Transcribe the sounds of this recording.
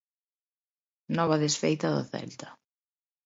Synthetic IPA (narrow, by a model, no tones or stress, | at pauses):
nɔβaðesfejt̪ɐðʊ̰θɛ̰lt̪ḁ